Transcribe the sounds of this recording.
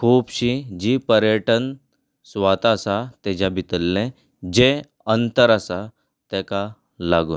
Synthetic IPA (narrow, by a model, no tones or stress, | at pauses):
kʰuːbɕid͡ʑiːpəɾjəʈən | sʋat̪asat̪ɛd͡ʑabit̪əlːẽ | d͡ʑe | ənt̪əɾasa | t̪ɛka | laɡṵː